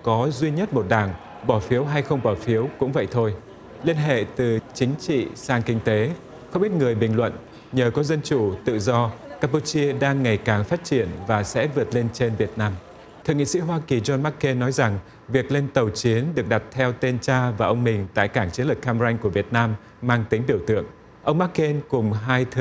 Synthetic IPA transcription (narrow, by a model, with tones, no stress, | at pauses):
kɔ˨˦zwi˧ɲə˦˥t̚mo˨˩t̚ɗaː˧˩ŋ | ɓɔ˧˩fi˨˦əwɦa˧jxə˧wŋ͡mɓɔ˧˩fi˨˦əwkʊ̰˧˥ŋ͡mvə̰˧˨jt̪ʰo˧j | li˧ənɦḛ˧˨t̪ɨ˨˩t͡ɕï˨˦ŋ̟t͡ɕḭ˧˨saː˧ŋkï˧ŋt̪e˨˦ | xə˧wŋ͡mɓi˦˥ət̚ŋɨ˨˩əjɓï˨˩ŋ̟lwə̰˧˨n | ɲəː˨˩kɔ˨˦zə˧nt͡ɕu˧˩t̪ɨ̰˧˨zɔ˧kaː˧pu˧t͡ɕi˧əɗaː˧ŋːa˨˩jkaː˨˩ŋfaː˦˥t̚t͡ɕi˧˩ənvaː˨˩sɛ̰˧˥vɨ˨˩ət̚le˧nt͡ɕe˧nvi˨˩ət̚naː˧m | t̪ʰɨ̰˨ŋḭ˧˨sḭ˧˥ɦwaː˧ki˨˩zɔ˧nma˦˥kːe˧nːɔ˨˦jza˨˩ŋ | vi˨˩ək̚le˧nt̪ə˨˩wt͡ɕi˨˦ənɗɨ˨˩ək̚ɗa˨˩p̚t̪ʰɛ˧wt̪e˧nt͡ɕaː˧vaː˨˩ʔə˧wŋ͡mmï˨˩ŋ̟t̪a̰ː˧˨jkaː˧˩ŋt͡ɕi˨˦əlɨ˨˩k̚xaː˧m˧za˧jŋ̟ku˧˩əvi˨˩ət̚naː˧mː | aː˧ŋt̪ï˨˦ŋɓi˧˩əwt̪ɨ̰˧˨əŋ | ʔə˧wŋ͡mma˦˥kːe˧nkʊ˨˩ŋ͡mɦaː˧jt̪ʰ